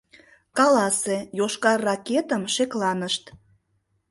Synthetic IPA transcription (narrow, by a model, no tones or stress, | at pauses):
kɑlɑsejoʃkɑrːɑket̪əmʃeklɑnəʃt̪